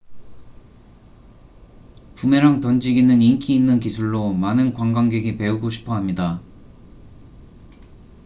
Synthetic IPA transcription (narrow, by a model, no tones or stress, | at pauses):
pume̞ɾaŋtʌnd͡ʑiɡinɯniŋkʰiːnːɯnk̬isʰuɭːomanɯnkwaŋɡwaŋɡe̞ɡipe̞uɡoɕʰi̥pʰʌɦamɲida